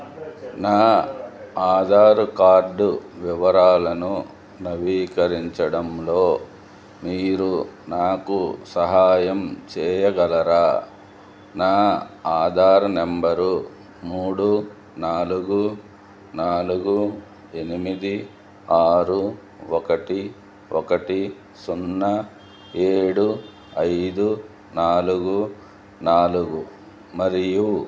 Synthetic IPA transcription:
naː | aːd̪ʱaːɾukaːɾɖuʋiʋɐɾaːlɐnu | nɐʋiːkɐɾiɲt͡ʃɐɽɐmloː | miːɾunaːkusɐɦaːjɐmt͡ʃɛːjɐɡɐlɐɾaː | naːaːd̪ʱaːɾnembɐɾu | muːɽu | naːluɡu | naːluɡu | e̞nimid̪i | aːɾu | ɔkɐʈi | ɔkɐʈi | sunːɐ | eːɽu | ɐjd̪u | naːluɡu | naːluɡu | mɐɾiju

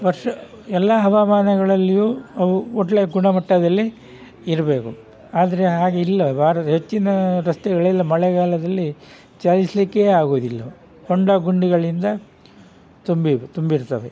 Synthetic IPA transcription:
ʋɐɾʂɐ | ɛlːɐɦɐʋamaːnɐɡɐɭɐlːijuːɐʋuoʈːleɡuɳɐmɐʈːɐd̪ɐlːiː | ɾɐbe̞ːku | aːd̪ɐɾeɦaːɡeilːɐbʱaːɾɐt̪ɦe̞t͡ʃːinɐɾɐst̪ɛɡɐɭɛlːɐmɐɭɛɡaːlɐd̪ɐlːi | t͡ʃalislikːeaːɡoːd̪ilːɐ | koɳɖɐɡuɳɖiɡɐɭind̪ɐ | t̪umbit̪umbiɾt̪ɐʋe

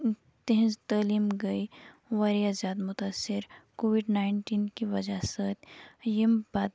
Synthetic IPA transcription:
t̪ẽɦt̪aːliːmɡɐiʋɐɾiazaːd̪mʊt̪aːsːɪɾkoːʋɪɖnaːɪɳʈiːnkiʋɐd͡ʒasət̪jimbaːt̪

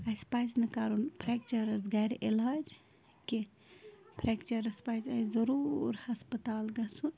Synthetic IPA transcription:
ɐspajsnɐkaːɾunpʰɾɛk̚t͡ʃɐɾɐzɡaɾiʔelaːd͡ʒ | ke | pʰɾɛkt͡ʃɐɾɐspaːzɐzɐɾuːɾhɐspət̪aːlɡɐsun

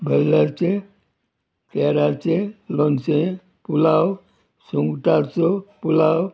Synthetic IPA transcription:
bʱɐlːəɾt͡ʃe | keːɾaɾt͡ʃeloːnsẽ | pulaːw | suŋɡʈaɾt͡ʃopulaːw

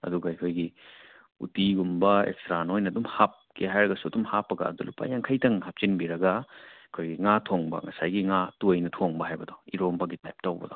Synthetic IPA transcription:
ɐ̰duɡɐɐkʰojɡi | ṵtiɡumbɐḛkstɾanojnɐːdumhap̚keɦajɾɐɡɐsuɐdumhapːɐɡɐ̰ːdulupːa̰jaŋkʰajtɐŋɦap̚t͡ʃinbiɾɐɡɐikʰojɡiŋatʰoŋbɐ̰ŋɐsajɡiŋatujnɐtʰoŋbɐɦajbɐdɔiɾombɐɡitajp̚tawbɐ̰dɔ

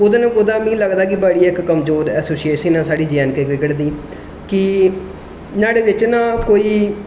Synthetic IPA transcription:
ʊd̪eːnãːkʊd̪ãːmĩːləɡd̪aːkɪbəɽiːɪkːəmzoːɾɛːsoːsieːʃənãːsaːɽiːd͡ʒɛːnkeːkɪkəɽd̪iː | kɪ | naːɽeːʋɪt͡ʃnaːkoːiː

